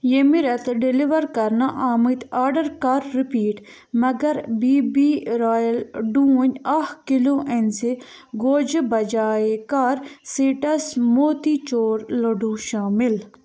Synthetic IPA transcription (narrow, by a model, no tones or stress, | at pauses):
jemiɾɐt̪ɖiliʋɐɾkɐɾnaʔaːmit̪aːɾɖɐɾkaɾːipiːʈ | mɐɡɐɾbiːbiːɾaːjɐlɖũːnʲɐhkiloːʔense | ɡoːd͡ʒbɐd͡ʒaːekaɾsiːʈɐsmoːt̪iːt͡ʃoːɾlɐɖũːʃaːmil